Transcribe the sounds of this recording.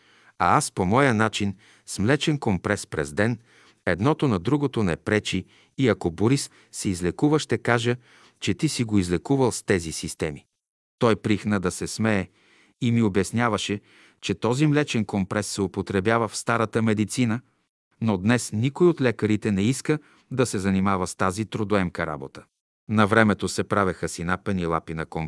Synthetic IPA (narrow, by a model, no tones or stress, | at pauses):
a̰aspomɔjənat͡ʃin | smlɛt͡ʃɛnkompɾɛspɾɛ̰zd̪ɛn | ɛd̪nɔt̪onɐd̪ɾuɡot̪onɛpɾɛt͡ʃi | iɐkoboɾisː | ɛizlɛkuvəʃt̪ɛkaʒə | t͡ʃɛt̪isiɡoizlɛkuvəlˠst̪ɛzisist̪ɛmi | t̪ɔjpɾixnəd̪ɐsɛsmɛː | imiobɛsnʲjavəʃɛ | t͡ʃɛt̪ɔzimlɛt͡ʃɛnkompɾɛsːopot̪ɾɛbjavəfst̪aɾət̪əmɛd̪it̪sinə | nod̪nɛsnikojot̪lʲɛkəɾit̪ɛnɛiskə | d̪ɐsɛzɐnimavəst̪azit̪ɾod̪oɛmkəɾa̰bot̪ə̥ | nɐvɾɛmɛt̪osɛpɾavɛxəsinapɛnilˠa̰pinɐkɔm